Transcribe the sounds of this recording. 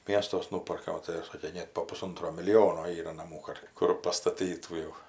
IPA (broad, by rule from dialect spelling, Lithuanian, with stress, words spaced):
ˈm iɛstuɔs ˈnuːpɐrkɐ oː tɐɪ ˈsɑːkʲeː ˈnʲeːt poː pʊˈsʊntroː mʲɪlʲɪˈjoːnoː ˈiːrɐ nɐˈmuː kɐt ˈkʊr pɐstɐˈtʲiːtuː jɛʊ